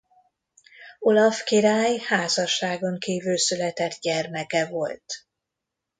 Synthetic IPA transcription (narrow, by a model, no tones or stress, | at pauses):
o̞lɒfkiɾaːjhaːzɒʃːaːɡo̞ŋkiːvylsylɛt̪ɛt̪ɟɛrmɛkɛvo̞lt̪